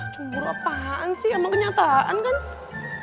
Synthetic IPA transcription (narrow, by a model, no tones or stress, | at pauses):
t͡ʃuuɾapaansɪhanɔkəɲat̪aʔa̰nkan